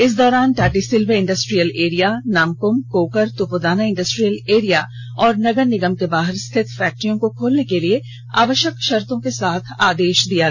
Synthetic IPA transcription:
ɪs̬d̪ɔːɾaːnʈaːʈisɪlʋeɪ̃ɳɖəsʈɾijəleːɾijanaːmkʊmkoːkəɾt̪upod̪aːnaɪ̃ɳɖəsʈɾijəleːɾija | ɔːɾnɐɡəɾnɪɡəmkebaːɦɪɾst̪ʰɪt̪ʰfɛːk̚ʈəɾijõkokʰoːlnekelie | a̰ːʋəʃjəkʃɐɾt̪õkesaːt̪ʰaːd̪eːʃd̪ija

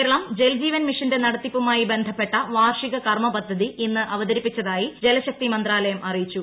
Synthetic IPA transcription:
eɾɐɭɐmd͡ʑeld͡ʑiːʋɐnmiʂɐnde̞nɐɽɐt̪ːipːumaːjibe̞nd̪ʱɐpːe̞ʈːɐʋaːrʂiɣɐkɐrmɐbɐd̪ʱːɐðiʔinːɨʔɐʋɐðɐɾipːit͡ɕːɐðaːjid͡ʑelɐɕɐk̚t̪imɐnd̪raːlɐjɐmɐrijit͡ɕːu

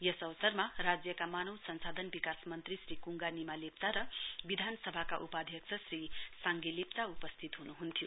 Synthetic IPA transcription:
jʌsʌʋʌsʌrmarad͡zjʌkamanʌwsʌnsad̪ʱʌnbikasmʌnt̪risrikuŋɡanimalep̚t͡saɾʌbid̪ʱansʌbʱakaʔupad̪ʱjʌksʰʌsrisaŋɡelep̚t͡saupʌst̪ʰit̪ɦunuɦunt̪ʰjo

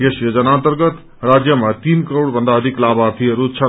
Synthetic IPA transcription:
jesjod͡zʌnant̪əɾɡʌt̪ | rad͡zjəmat̪inkəɾoɽbʱʌ̃nd̪aʌd̪ʱiklabaɾt̪ʰiɾut͡sʰʌ

